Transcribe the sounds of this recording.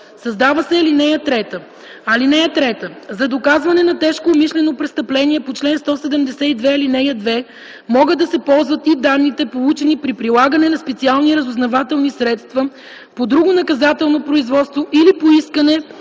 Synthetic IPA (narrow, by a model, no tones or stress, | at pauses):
sɐzd̪avəsɛːlinɛjət̪ɾɛt̪ə | ɐlinɛət̪ɾɛt̪əzɐd̪okazvɐnɛnɐt̪ɛʃkoːmiʃlɛnopɾɛst̪ɐplɛniɛpot͡ʃlɛnst̪ɔsɛd̪ɛmd̪ɛsɛid̪vɛːlinɛjəd̪vɛ | mɔɡəd̪ɐsɛpɔlˠzvɐt̪id̪anːit̪ɛpolˠut͡ʃɛnipɾipɾilˠaɡɐnɛnɐspɛt̪sialˠniɾɐzʊznɐvat̪ɛlˠnisɾɛt̪st̪vɐə | pod̪ɾuɡonɐkɐzat̪ɛlˠnopɾoizvɔt̪st̪voʔilipoiskənɛ